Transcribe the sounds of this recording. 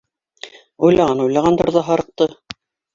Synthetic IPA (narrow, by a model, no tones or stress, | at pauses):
ujlɑʁɑnujlˠɑʁɑnd̪ŏɾðɑɦɑɾɤ̆q̚t̪ɤ